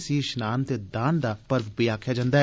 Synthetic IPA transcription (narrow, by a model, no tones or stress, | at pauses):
siːʃnaːnt̪eːd̪aːnd̪aːpəɾʋbiaːkʰːjaːd͡ʒãːnd̪aː